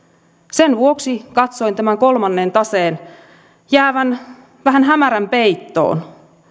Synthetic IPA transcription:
senʋuo̞ksikɑt̪so̞ijnt̪æmæŋko̞lmɑnːeːnt̪ɑseːn | jæːʋæn | ʋæɦænɦæmæɾæmpe̞jt̪ːo̞̰ːn

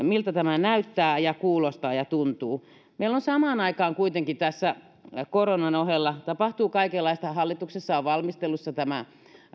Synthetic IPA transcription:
milt̪æt̪æmænæyt̪ːæːjɑkuːlost̪ɑːjɑt̪unt̪uː | meilːonsɑmɑːnɑikɑːŋkuit̪eŋkit̪æsːæ | koronɑnohelːɑt̪ɑpɑht̪uːkɑikelːɑist̪ɑhɑlːit̪uksesːɑoʋʋɑlmist̪elːusːɑt̪æmæ

